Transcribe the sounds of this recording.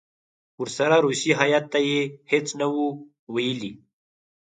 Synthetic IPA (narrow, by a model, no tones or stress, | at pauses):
uɾsaɾaɾusiɦajat̪ːajehet͡snawu | wajəli